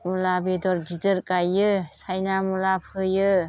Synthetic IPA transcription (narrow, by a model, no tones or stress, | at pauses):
mulabedɔɾd͡ʒidɯɾkajɯsajnamulapʰɯjɯ